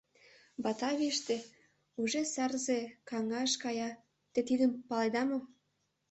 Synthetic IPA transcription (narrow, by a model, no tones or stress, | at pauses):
bɑt̪ɑβeʃt̪e | uʒesɑrzekɑŋɑʃkɑjɑ | t̪et̪id̪əmpɑled̪ɑmo